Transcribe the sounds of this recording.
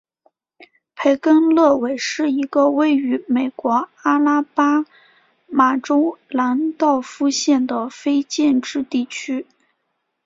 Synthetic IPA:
pʰe˧˥ɪkə˥nlɤ˥˩we˨˩ɪʂɻ̩˥˩i˧˥ɡə˧we˧˥ɪy˧˥me˨˩ɪkwɔ˧˥a˥la˥pa˥ | ma˨˩ʈ͡ʂo˥ʊla˧˥nt̪ɑ˥˩ʊfu˥ɕjɛ˥˩nd̪ə˩fe˥ɪt͡ɕjɛ˥˩nʈ͡ʂɻ̩˥˧t̪i˥˩t͡ɕʰy˥

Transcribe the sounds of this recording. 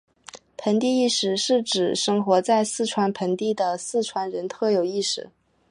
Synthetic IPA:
pʰə˧˥nt̪̬i˥˧i˥˩ʂɻ̩˨˩ʂɻ̩˥˩ʈ͡ʂɻ̩˨˩ʂɤ˥ŋxwɔ˧˥t͡sa˥˧ɪsɹ̩˥˩ʈ͡ʂʰwa˧˥npʰə˧˥nt̪i˥˩d̪ə˩sɹ̩˥˩ʈ͡ʂʰwa˧˥nɻə˧˥nt̪ʰɤ˥˩jo˨˩ʊi˥˩ʂɻ̩˨˩˦

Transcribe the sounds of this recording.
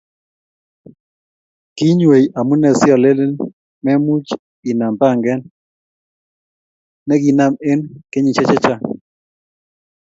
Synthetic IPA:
ki˦ɲwe˨jʔa˨mu˦nɛ˨sɪ˦ɔ˨le˦le˦n | mɛ˦mu˦t͡ʃ | i˨na˨mpa˦˨ŋɡɛ˦n | ɛ˦ɡi˨na˦me˦nke˦ɲi˨t͡ʃɛ˦t͡ʃɛ˦t͡ʃa˦

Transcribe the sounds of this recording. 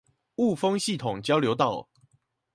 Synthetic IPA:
u˥˨fɤ˦ŋɕi˥˨t̪ʰʊ˨˩ŋt͡ɕjɑ˥˦ʊljo˧˦ʊt̪ɑ˥˨ʊ

